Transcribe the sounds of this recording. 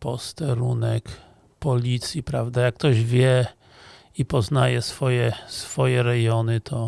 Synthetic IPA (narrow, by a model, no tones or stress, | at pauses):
pɔst̪ɛɾunɛk | pɔlʲit̪sʲjipɾavd̪ajakːt̪ɔʑvʲjɛ | ipɔznajɛsfɔjɛsfɔjɛɾɛjɔnɘt̪ʰɔ